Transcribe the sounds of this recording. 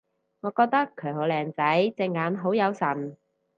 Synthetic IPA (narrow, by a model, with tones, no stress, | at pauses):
ŋɔː˨˧kɔː˧k̚t̪ɐ˥kʰːœː˨˩ŋo˨˧lɛː˨˩ŋt͡sɐ˨˥jt͡sɛ˧ŋːaː˨˥nɦo˨˥wjɐ˨˧wsɐ˨˩n